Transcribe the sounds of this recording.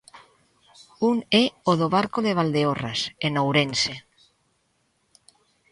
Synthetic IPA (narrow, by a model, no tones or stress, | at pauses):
uŋɛoðoβaɾkoðeβ̞ald̪eorasenowɾense